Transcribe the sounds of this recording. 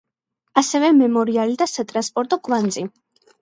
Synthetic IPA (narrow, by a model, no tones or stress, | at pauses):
asɛvɛmɛmɔɾialid̪asat̪ʼɾanspʼɔɾt̪ʼɔɡvand̪zi